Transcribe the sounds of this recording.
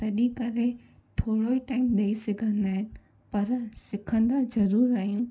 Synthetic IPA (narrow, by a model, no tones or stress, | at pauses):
t̪ɐɗikɐɾe | t̪ʰoːɽoːiʈaːɪmɗɐisɪɡʱə̃nd̪aːɦɪnɪ̆ | pɐɾsɪkʰə̃nd̪azɐɾuːɾaːɦijũː